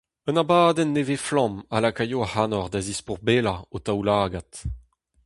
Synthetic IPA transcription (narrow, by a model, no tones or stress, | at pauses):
ənabaːd̪ɛnːeveflɔ̃malakajoahanɔʁd̪azispuʁbeːlaotawlaːɡat̪